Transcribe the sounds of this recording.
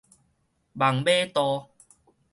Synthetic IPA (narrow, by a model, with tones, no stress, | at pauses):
ba˨˩ŋbe˦t̪ɔ˧